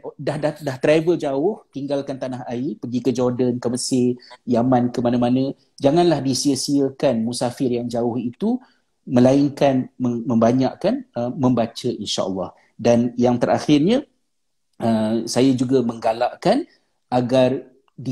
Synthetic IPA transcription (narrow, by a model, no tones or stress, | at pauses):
dahdadaht̪ɾavəld͡ʒaʊht̪iŋɡalkant̪anaɦaipəɡikəd͡ʒɔrdənkəməsɪjamãnkəmanãmanə̃ | d͡ʒaŋãnlahdisiəsiəkanmusafɪrjaŋd͡ʒaʊhit̪u | məlaɪŋkanməmə̃mbaɲaʔkanəmə̃mbat͡ʃəʔinʃa̰ʔə̰lːɑh | danjaŋt̪əɾʔa̰xɪrɲã | əsajad͡ʒuɡamə̃ŋɡalaʔkan | ʔaɡar | di